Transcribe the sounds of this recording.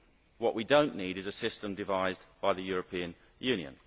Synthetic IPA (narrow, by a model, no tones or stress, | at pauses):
wɒʔwʔidə̃ʊ̃nʔːiːɾɪzəsɪstə̃mdɪvaɪzb̥aɪðəjɔːɹəpʰĩə̃n | jʉːnjə̰̃n